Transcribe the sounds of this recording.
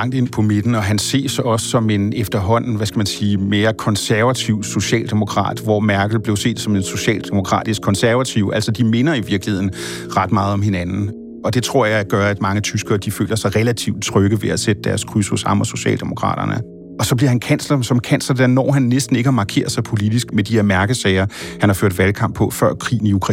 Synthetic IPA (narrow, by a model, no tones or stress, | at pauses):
ɑ̈ŋ̰d̥e̝npʰɒ̽me̝d̥n̩ɒ̽ɦænse̝̰ːɐsɒ̽sːɒ̽me̝nefd̥ɐɦɒ̽n̰n̩ʋæsɡ̥æmænsiːme̝ːɐkʰɒ̽nsæɐʋæt͡sʰiʊ̰so̝ɕɛ̰ːld̥e̝mo̝kʰʁɑ̰̈ːd̥ʋɒmæɐɡ̥l̩ˠb̥le̝ʊse̝̰ːd̥sɒ̽me̝nso̝ɕɛ̰ːld̥emo̝kʰʁɑ̰̈ːd̥isɡ̥kʰɒ̽nsæɐʋæt͡sʰiʊ̰ʔæl̰sɒd̥ime̝nɐiʋiɐɡ̥lihe̝ð̰ˠn̩ | ʁɑ̈d̥mɑ̈ːð̩ˠɒ̽mhe̝nænn̩ | ʔɒ̽d̥e̝t͡sʰʁo̝ɐ̰jɑ̈ɪɡ̥ɶɐæd̥mɑ̈ŋət͡sʰysɡ̥ɐːd̥ifø̰ːlʲʔɐsɑ̈ɪʁelæt͡sʰiʊd̥̚t͡sʰʁœɡ̥əʋe̝æsed̥əd̥æɐskʰʁyshɔsɑ̈mɒso̝ɕɛ̰ːld̥emo̝kʰʁɑ̰̈ːɾ̥ɐnə | ɒ̽sɒ̽bliɐhænkʰæn̰slɐsɒ̽mkʰæn̰slɐd̥æɐnɒ̰ːɦænːesd̥n̩e̝ɡ̥əɑmɑ̈ːkʰe̝̰ːɐðˠsɑ̈ɪpʰo̝lid̥isɡ̥med̥ihe̝ɐ̰mæɐɡ̥əsɛːɪɐhænhɑ̈føɐd̥ʋælkʰɑ̈m̰b̥ʰɒ̽fɶɐ̰kʰʁḭːn̩iukʰʁɑ